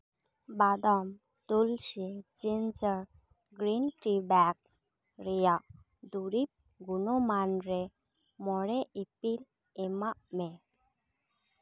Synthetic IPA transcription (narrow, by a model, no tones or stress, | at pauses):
bad̪ɔm | t̪ulɕid͡zind͡zəɾ | ɡɾinʈibaks | ɾijaʔ | d̪uɾip̚ | ɡunɔmanɾe | mɔɽeʔipil | emaʔme